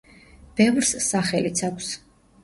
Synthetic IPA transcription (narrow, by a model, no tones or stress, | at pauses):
b̥ɛvɾssaχɛlit̪sʰakʷʰs